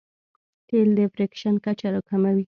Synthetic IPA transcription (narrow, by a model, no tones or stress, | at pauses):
t̪eld̪əfɾekʃankat͡ʃaɾokamawi